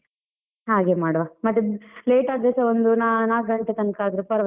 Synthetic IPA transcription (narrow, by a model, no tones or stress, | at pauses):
ɦaːɡeːmaːɽʋaːmɐt̪ːeleːʈaːd̪ɾesɐond̪unanaːkɡɐɳʈet̪ɐnkaːd̪ɾepɐɾɐʋ